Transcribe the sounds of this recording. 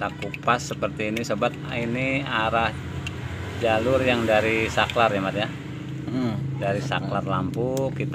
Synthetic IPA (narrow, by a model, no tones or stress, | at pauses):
t̪akupasːəpərt̪iːnisəbat̪̚iniaɾah | d͡ʒalʊrjaŋdaɾisaklarjamat̪ja | daɾisaklarlampukit̪